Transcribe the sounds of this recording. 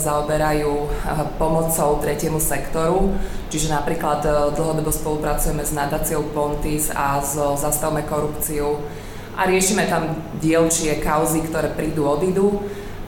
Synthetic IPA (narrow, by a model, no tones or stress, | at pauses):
zaɔbɛɾajuːpɔmɔt͡sɔʊt̪ɾɛcɪɛmusɛkt̪ɔɾu | t͡ʃiʒɛnapɾiːklad̪d̪l̩ˠɦɔd̪ɔbɔspɔlupɾat͡sujɛmɛznad̪aːt͡siɔʊpɔnt̪iza̰zzast̪aʊmɛkɔɾupt͡siu | ʔa̰ɾɪɛʃimɛt̪amɟɪɛlt͡ʃɪɛkaʊzikt̪ɔɾɛːpɾiːd̪uːɔd̪id̪u